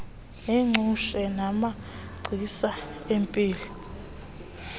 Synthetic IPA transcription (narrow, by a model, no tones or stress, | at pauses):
ɛŋ͡ǀʱuʃɛnama | ɡ͡ǀʱisaempʼiːlɔ